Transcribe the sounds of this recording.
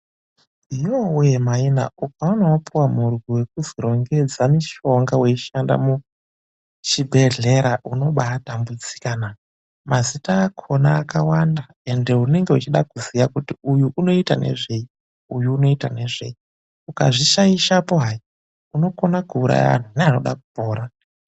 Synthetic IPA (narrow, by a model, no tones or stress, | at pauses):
ijowemaina̰ukaunowapuwamurwiwe̞kuziɾo̞ŋɡe̞d͡zamiʃo̞ŋɡawe̞iʃanda̰mu | t͡ʃibʱe̞ɮe̞ɾaʔuno̞ɓatambud͡zikaːna | mʔazitaːkʰo̞naːkawanda | e̞nde̞une̞ŋɡe̞ut͡ʃiɗakuzijakutiujuʔuno̞ita̰ne̞̰ʐe̞i | ujuːno̞itane̞ʐe̞̰i | uka̰ʐiʃaiʃapoɦai | uno̞ko̞nakuːɾa̰ja̰a̰n̤uneano̞̰ɗa̰ku̥poːɾa